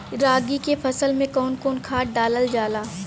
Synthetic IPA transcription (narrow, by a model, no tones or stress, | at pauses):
ɾaːɡikepʰɐsəlmẽkɔːnkoːnkʰaːʈ̚ɖaːləld͡ʒaːlaː